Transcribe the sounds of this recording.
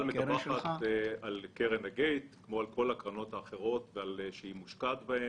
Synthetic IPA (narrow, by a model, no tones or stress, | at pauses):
lmekbaχat̪alkeʁenaɡejt̪kmo̞alko̞lakʁano̞t̪haːχe̞ʁo̞tvealʃehimuʃkatbae